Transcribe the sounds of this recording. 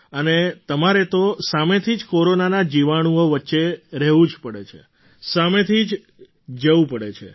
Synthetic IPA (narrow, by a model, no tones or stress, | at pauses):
ənet̪əmaɾet̪osamet̪ʰid͡ʒkoɾonanad͡ʒiʋaɽ̃uoʋətːʃeɾɛɦʋũd͡ʒpəɽḛt͡ʃʰḛ | samet̪ʰid͡ʒ | d͡ʒəʋũpəɽḛt͡ʃʰḛ